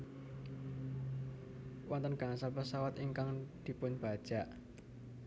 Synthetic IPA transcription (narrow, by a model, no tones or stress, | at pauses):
wʔɔnt̪ənɡ̥a̤ŋsalpəsawat̪iŋkaŋd̪̥i̤pʊɲb̥a̤d̥ʒ̥a̤ʔ